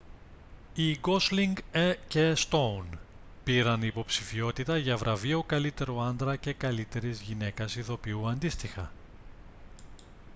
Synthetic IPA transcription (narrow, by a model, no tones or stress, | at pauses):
iɡo̞sliŋɡecest̪o̞wn | piɾɐnipo̞psifio̞t̪it̪ɐʝɐvɾʔɐvio̞kɐlit̪e̞ɾoɐnd̪ɾɐce̞kɐlit̪e̞ɾizʝine̞kɐsiθo̞piuɐnd̪ist̪ixɐ̰